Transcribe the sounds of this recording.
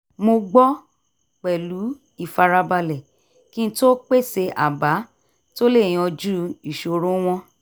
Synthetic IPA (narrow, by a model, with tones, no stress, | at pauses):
mo˧ɡ͡bɔ˦ | k͡pɛ˨lu˨˦ | i˧˨fa˧ɾa˧ba˧lɛ˨ | kĩ˦n̩˦to˦k͡pe˦˨se˧ʔa̰˨ba˨˦ | to˦le˦˨j̃ĩ˧˦ɔ˧d͡ʒu˦i˨ʃo˧ɾũ˨˦w̃ɔ̃˧